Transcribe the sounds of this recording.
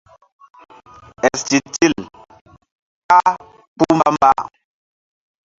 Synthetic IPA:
ɛ˨sti˨ti˦˨l | ka˦ | pu˦mba˦mba̰˦˨

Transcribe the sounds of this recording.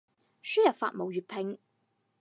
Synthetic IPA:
syː˥jɐ˨˩tfa̰ː˧˨t̚mo˨wjyː˨t̚pʰɪ˨˧ŋ

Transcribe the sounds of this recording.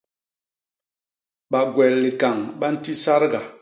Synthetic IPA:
ɓa˨ɡwɛ˨lli˨ka˨ŋɓa˦n̩˦ti˦sa˦ɾɡa˨

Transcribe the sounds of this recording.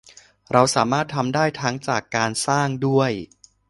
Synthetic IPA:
ɾa˧wsaː˩˦maː˥˩t̪ʰːa˧mdaː˥˩jt̪ʰa˦˥ŋt͡ɕaː˨˩kːaː˧nsaː˥˩ŋdu˥˩əj

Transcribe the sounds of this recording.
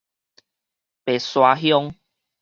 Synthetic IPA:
pe˨˩swa˧ɦjɔ˦ŋ

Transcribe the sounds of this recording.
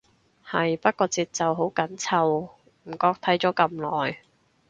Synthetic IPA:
hɐ˨jpɐ˥t̚kɔː˧t͡siː˧t̚t͡sɐ˨wɦo˨˥wkɐ˨˥nt͡sʰɐ˨˧w | m̩˨˩kɔː˧k̚t̪ʰɐ˨˥jt͡sɔː˨˥kɐ˧mlɔː˨j

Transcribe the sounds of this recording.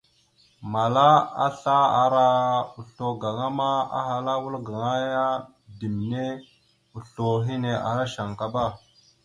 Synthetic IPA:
ma˨la˦a̰˦ɬa˦a˨ɾa˦u˨ɬo˨ɡa˨ŋa˦ma˦a̰˦ɦa˨la˦wu˦lɡa˨ŋa˦ja˦ | di˨m˨ne˦ | u˨ɬo˨ɦi˦ne˨a̰˨ɾa˦ʃa˨ŋka˨ba˦˨

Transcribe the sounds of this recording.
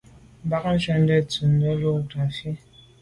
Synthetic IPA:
m˨ba˦k̚n̩˦ʃɛ˦n˦dɛ˦˨t͡su˨n˦dɛ˦lo˦˨ta˨fi˦

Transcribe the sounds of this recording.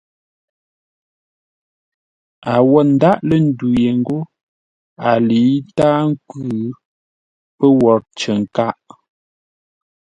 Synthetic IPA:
a˨wɔ˦˨n̩˦da˦ʔlə˨n̩˦du˨je˨ŋ̩˦ɡo˦ | a˨li˨˦taː˦ŋ̩˦kʉʉ˦ | pə˦wɔ˨ɾt͡ʃə˨ŋ̩˨ka˦ʔ

